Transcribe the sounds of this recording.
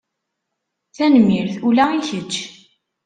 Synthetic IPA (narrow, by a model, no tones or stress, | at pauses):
θænmiɾθulæiçət͡ʃː